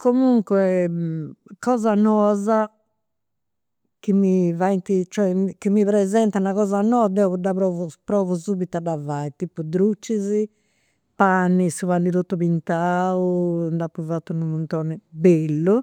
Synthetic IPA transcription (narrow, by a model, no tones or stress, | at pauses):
kʰomuŋkwɛ | kɔːzanɔːza | kimivant̪it͡ʃɛkːimːiβɾɛzɛnt̪anaɣɔːzanɔːd̪ɛɔdaβɾɔːvupɾɔːvusubit̪ad̪avait̪ipːud̪ɾut͡ʃːizi | panːisuvanːit̪ot̪ːupint̪aund̪apːuvat̪ːunumunt̪ɔːnɛbelːu